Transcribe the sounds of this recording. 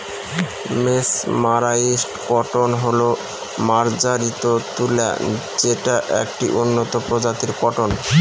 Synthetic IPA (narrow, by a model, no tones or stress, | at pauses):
mesmaɾaisʈkɔʈonɦolo | maɾd͡ʑaɾit̪ot̪ula̰ | d͡ʑeʈaʔḛk̚ʈḭʔonːot̪opɾod͡ʑat̪iɾkɔʈon